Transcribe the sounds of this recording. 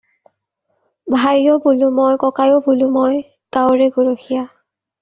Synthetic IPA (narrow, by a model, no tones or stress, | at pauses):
bʱajɔbulumɔjkɔkajɔbulumɔj | ɡ̥awɹɛɡoɹoxija